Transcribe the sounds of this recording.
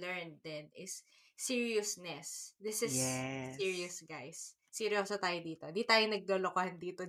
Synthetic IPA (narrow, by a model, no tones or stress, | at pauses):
lɛɹnd̪ɛnɪsː | iɹiʊsnɛsd̪ɪsɪssiɹiɐsɡajsː | iɾjoːsɐt̪aːjod̪iːt̪oɪ̃nd̪iːt̪aːjonɐɡ̚loːlokohɐnd̪iːt̪o